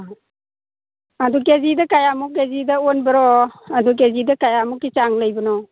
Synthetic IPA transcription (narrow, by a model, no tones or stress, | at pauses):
adukezidɐkajamukezidɐonbɐɾɔaduk̬ezidɐkajamukːit͡ʃaŋləjbənɔ